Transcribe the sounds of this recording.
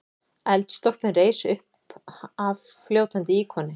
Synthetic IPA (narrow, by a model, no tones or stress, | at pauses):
ɛlt̪st̪ɔr̥pmɪnreːjsʏhp | avfljoːwt̪ʰant̪ɪiːkʰɔnːɪ